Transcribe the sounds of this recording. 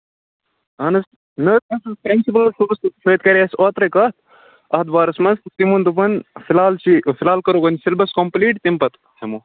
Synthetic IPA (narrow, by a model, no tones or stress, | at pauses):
ɐnɐs | nɐt̪̚ɐsɐspɾinsip̬ɐlsubɐssɐjt̪̚kɐɾiɐsaːt̪ɾɐkaːt̪̚ʰ | ɐɦɐt̪baːɾɐsmɐst̪imund̪up̬ɐnfilaːlt͡ʃifilaːlkɐɾoːkɐnʲsilbɐskompliːʈt̪impɐt̪ | sʰɐmoː